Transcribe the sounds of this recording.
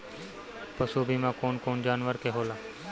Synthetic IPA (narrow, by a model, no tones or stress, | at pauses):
pəsuːbʱiːmãːkoːnkoːnd͡ʒaːnʋəɾkeːɦoːlaː